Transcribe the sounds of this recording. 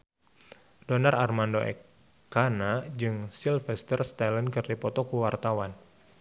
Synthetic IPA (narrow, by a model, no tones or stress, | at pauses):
donararmandoʔɛ̰kː | anad͡ʒɨŋsilfɛst̪ərst̪alənkɨrlipɔt̪ɔkuwart̪awan